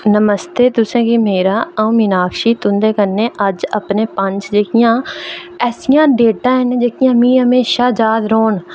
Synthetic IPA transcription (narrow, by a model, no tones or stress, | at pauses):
nəməst̪eːd̪ʊsẽːkimeːɾaːəũːmɪnaːkʃiːt̪ʊ̃nd̪eːkəɾnːeːʔəd͡ʒəpneːpəɲd͡ʒd͡ʒeːkɪjãː | ɛːsɪjãːɖeːʈãːɦənd͡ʒeːkɪjãːmĩːɦəmeːʃaːd͡ʒaːd̪ɾoːɳ